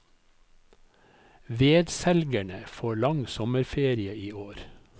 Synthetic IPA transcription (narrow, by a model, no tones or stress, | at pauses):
ʋeːd̪sɛlɡæɳəfoːɭɑŋsɔməɾfeːɾɪəiːoːɾ